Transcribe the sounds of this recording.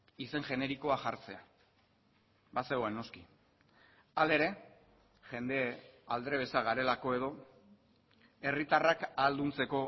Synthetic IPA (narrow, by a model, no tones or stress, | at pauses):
ise̞ŋʝe̞ne̞ɾiko̞aʝaɾt͡se̞a | baseoenːo̞ski | ale̞ɾe̞ | ʝe̞nd̪e̞ald̪ɾe̞β̞e̞saɣaɾe̞lako̞e̞ðo̞ | e̞rit̪arakald̪unt͡se̞ko̞